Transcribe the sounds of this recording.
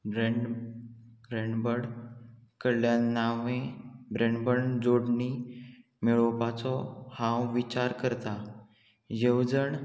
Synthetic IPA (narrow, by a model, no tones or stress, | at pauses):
bɾe | ɡɾeɳɖbəɽkəɭjanːaʋẽbɾeɳɖbəɳd͡zoɽni | miɭɔpat͡sɔhãwʋit͡ɕaɾkəɾt̪a | jəwd͡zəɳ